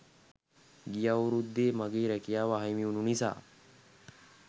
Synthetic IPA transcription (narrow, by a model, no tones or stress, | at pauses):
ɡijauɾud̪ːeːmɐɡeːɾɛkijaːʋaɦɐjmiununisa̰ː